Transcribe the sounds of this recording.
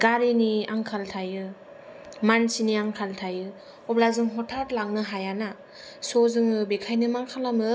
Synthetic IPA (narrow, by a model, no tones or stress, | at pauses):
ɡ̥aɾiniaŋkʰaltʰajɯ | mansiniaŋkʰaltʰajɯ | ɔblazɯŋɦɔtʰaɾlaŋnɯɦajana | sɔzɯŋɯbekʰajnɯmaŋkʰalamɯ